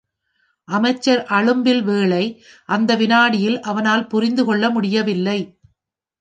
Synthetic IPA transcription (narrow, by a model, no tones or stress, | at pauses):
ʔɐmɐɪt͡ʃːɐɾʔɐɻɯmbɪlʋeːɭɐɪ | ʔɐnd̪ɐʋɪnaːɽɪjɪlʔɐʋɐnaːlpʊɾɪnd̪ɯkɔɭːɐmʊɽɪjɐʋɪlːɐɪ